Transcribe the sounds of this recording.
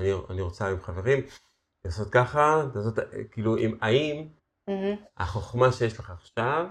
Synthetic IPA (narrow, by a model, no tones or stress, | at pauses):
anianiʁot͡saimχave̞ʁim | laːso̞t̪̚kaχalaːso̞t̪kiːluʔimaim | a̰χo̞χmaʃejeʃleχaːχʃav